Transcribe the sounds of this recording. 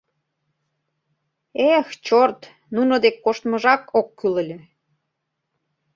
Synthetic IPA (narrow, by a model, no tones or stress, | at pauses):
ext͡ɕort̪ | nunod̪ekːoʃt̪məʒɑkokːylə̆lʲĕ